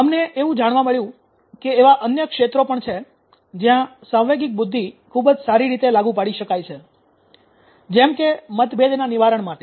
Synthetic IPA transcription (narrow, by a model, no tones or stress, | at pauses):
əmneʔeʋũd͡ʒaɽʋaməɭjũ | keːʋaʔənjəkʃet̪ɾopəɳt͡ʃʰe | d͡ʒjãsãwʋeɡɪk̚bʊd̪ʱːikʰubd͡ʒsaɾiɾit̪elaɡũpaɽiʃəkajt͡ʃʰe | d͡ʒɛmkemət̪bed̪ʱnaniʋaɾəɳmaʈe